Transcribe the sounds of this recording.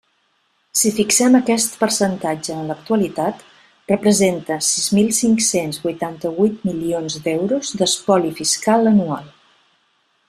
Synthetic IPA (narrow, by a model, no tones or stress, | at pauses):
sifiksɛməkɛst̪pəɾsənt̪ad͡ʒəːnlək̚t̪uəlit̪at̪ | rəpɾəzent̪əsizmilˠsiŋksenzβujt̪ant̪əβujt̪̚milionzd̪ɛwɾuzd̪əspɔlifiskalˠənua̰lˠ